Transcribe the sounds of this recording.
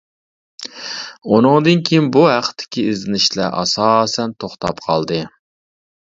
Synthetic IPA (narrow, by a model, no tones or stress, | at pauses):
unɨŋd̪ɨnkʲʰijinbuɦæqʰə̥t̪ʰːɪ̥kʲʰiɪzlɪnɪʃlɛ̰ʔɑ̰sɑːsɛnt̪ʰoχt̪ɑ̰pqʰɑlˠd̪ɨ